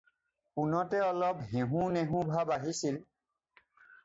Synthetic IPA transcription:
punɔtɛɔlɔpɦẽɦũneɦũbʱabaɦisil

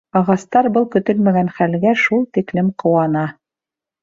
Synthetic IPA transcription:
ɑʁɑst̪ɑɾbɤlˠkɵ̆t̪ɵlmæɡænχælɡæʃulˠt̪iklɘmqŏwɑnɑ

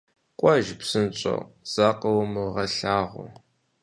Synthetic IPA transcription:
qʷʼɔʒpsɨnt͡ʃʼɐ̰wz̥aːqʼɐwmɨʁɐɬaːʁʷʊ̰

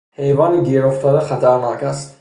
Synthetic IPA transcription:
hejvɒːniɡiɾoft̪ʰɔd̪aχæt̪ʰæɾnɒːkæst̪

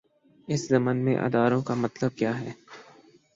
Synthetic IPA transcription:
ɪszɐmənmḛ̃ʔɐ̰ːd̪aːɾõkamɐt̪ləb̚kjaːɦɛː

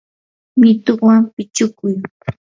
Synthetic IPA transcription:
mɪt̪oχwampɪt͡ʃʊkʊj

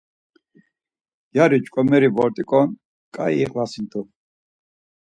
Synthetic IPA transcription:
jaɾit͡ʃkʼɔmɛɾivɔɾt̪ʼikʼɔn | kʼaiːχlasint̪ʰu

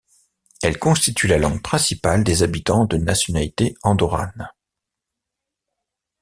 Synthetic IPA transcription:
ɛlkɔ̃st̪it̪ʰylalɑ̃ŋɡpχɛ̃sipald̪ezabit̪ɑ̃d̪ənasjɔnalit̪eɑ̃d̪ɔʁa̰n

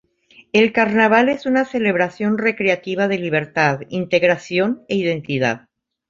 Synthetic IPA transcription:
elkaɾnaβale̞sunase̞le̞βɾasjo̞nre̞kɾeat̪iβ̞aðe̞liβ̞e̞ɾt̪aðint̪e̞ɣɾasjo̞neiðe̞nt̪iða̰ð

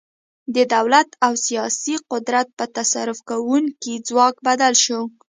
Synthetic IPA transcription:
d̪əd̪awlat̪awsijɑsiqʊd̪ɾat̪̚pət̪asaɾʊfkawuŋkid͡zwɑkbad̪alʃo

